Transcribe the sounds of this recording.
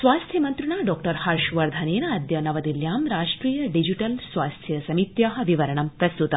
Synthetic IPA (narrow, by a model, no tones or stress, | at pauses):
sʋaːst̪ʰjɐmɐnt̪ɾɐɳaːɖɔːkʈɐɾhaːɾʃʋɐɾd̪ʱɐneːnɐɐd̪jɐnɐʋɐd̪iljaːmɾaːʂʈɾiːjɐɖid͡ʒiʈɐlsʋaːst̪ʰjɐsɐmit̪jaːɦɐ̆ʋiʋɐɾɐɳɐmpɾɐst̪ut̪ɐ